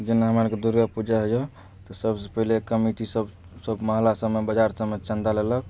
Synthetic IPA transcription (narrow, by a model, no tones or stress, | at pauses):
d͡ʒenaɦəmaɾked̪uɾɡapud͡ʒaɦəjo | t̪əsəbsəpəɦlekəmiʈisəb | səbməɦlasəbmebəd͡ʒaɾsəmːet͡ʃənd̪alelək̚